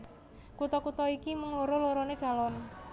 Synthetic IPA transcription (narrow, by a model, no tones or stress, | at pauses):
kut̪ɔkut̪ɔikimuŋloɾɔloɾɔned̥ʒ̥a̤lɔn